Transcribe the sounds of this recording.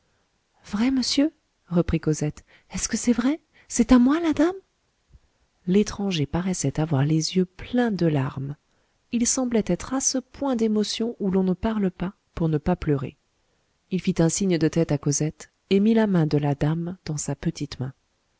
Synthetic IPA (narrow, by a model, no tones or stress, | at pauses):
vʁɛməsjø | ʁəpχikozɛt̪ | ɛskəsɛvʁɛ | sɛt̪amwalad̪am | let̪χɑ̃ʒepaʁɛsɛt̪avwaʁlezjøplɛ̃d̪əlaʁm | ilsɑ̃blɛt̪ɛt̪χasəpwɛ̃d̪emɔsjɔ̃ʔulɔ̃nəpaʁləpa | puʁnəpaplœʁḛ | ilfit̪ɛ̃siɲd̪ət̪ɛt̪akozɛt̪ | emilamɛ̃d̪əlad̪amd̪̥ɑ̃sapət̪it̪mɛ̃